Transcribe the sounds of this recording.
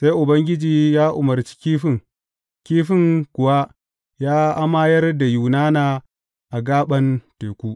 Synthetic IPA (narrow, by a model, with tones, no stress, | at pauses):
sa˦jʔʊ˨bɐ˦ŋɡʲɪ˦d͡ʒiː˦jaː˦ʔʊ˨mɐ˨ɾt͡ʃi̥˦kʲiː˦ɸɪ˦˨ŋ | kʲiː˦ɸɪ˦ŋkʷʊ˨wa˦ | jaː˦ʔa˦ma˦jɐ˦rda˨ju˨naː˦naː˨ | ʔa˨ɡaː˦ɓɐ˦nteː˨kʷuː˦